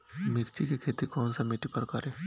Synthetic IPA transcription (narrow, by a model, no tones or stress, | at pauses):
mɪɾt͡ʃikekʰeːt̪ikɔːnsamiʈipɐɾkɐɾe